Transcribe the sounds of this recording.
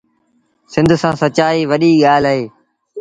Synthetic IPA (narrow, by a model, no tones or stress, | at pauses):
sɪ̃nd̪ʱsãːsət͡ʃaːiːʋəɗiːɠaːlaɦeː